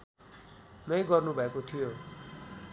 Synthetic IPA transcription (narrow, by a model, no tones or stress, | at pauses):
nʌjɡʌrnubʱʌekot̪ʰijo